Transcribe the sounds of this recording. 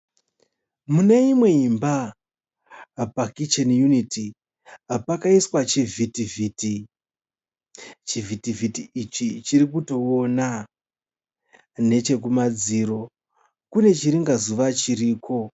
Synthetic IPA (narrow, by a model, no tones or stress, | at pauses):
muneimwe̞imba | pakit͡ʃanjunitʰi | apakaiswat͡ʃivitiviti | t͡ʃivitivitiit͡ʃit͡ʃirik̬uto̞ona | ne̞t͡ʃe̞k̬umad͡ziɾo̞ | kune̞t͡ʃiɾiŋɡazuʋat͡ʃiɾiːkʰo̞